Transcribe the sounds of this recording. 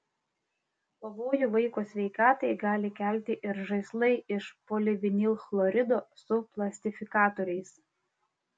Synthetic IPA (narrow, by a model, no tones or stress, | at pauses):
pɐʋoːjʊʋɐɪkoːsʲʋʲɛɪkɑːt̪ɐɪɡɑːlʲɪkʲælʲt̪ʲɪʔɪɾʒɐɪslˠɐɪʔɪʃpoːlʲɪʋʲɪnʲilˠxlˠɔɾʲɪd̪oːsʊplˠɐsʲt̪ʲɪfʲɪkɑːt̪oːɾʲɛɪs